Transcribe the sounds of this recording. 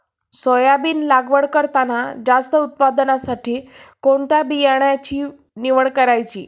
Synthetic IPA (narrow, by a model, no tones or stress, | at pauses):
sɔjabiːnlaɡʋəɽkəɾt̪anad͡zast̪əut̪̚pad̪nasaʈʰiːkoɳt̪jabijaɳjat͡ɕiː | niʋəɭkəɾajt͡ɕḭː